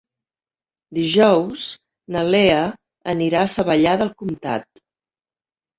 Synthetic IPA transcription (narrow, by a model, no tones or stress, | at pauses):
d̪iʒɔws | nəleə | ə̰niɾaːsəβəʎaðəlˠkumt̪a̰t̪̚